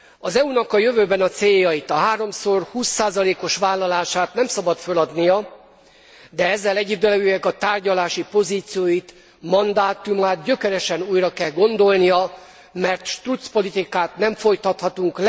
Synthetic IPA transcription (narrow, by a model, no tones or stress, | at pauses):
ɒzɛunɒkɒjøvøːbɛnɒt̪seːjːɒjit̪ɒɦaːɾo̞mso̞rhuːsːaːzɒleːko̞ʃʋaːlːɒlaːʃaːt̪nɛmsɒbɒt̪følɒd̪nijɒ | d̪ɛɛzːɛlɛɟːid̪ølɛɡøːɛkɒt̪aːrɟɒlaːʃipo̞ziːt̪sijoːjit̪ | mɒnd̪aːt̪umaːt̪̚ɟø̞kɛɾɛʃɛnuːjrɒkɛlɡo̞nd̪o̞lnijɒ | mɛrt̪ʃt̪rut̪spo̞lit̪ikaːt̪nɛɱfo̞jt̪ɒt̪hɒt̪uŋkl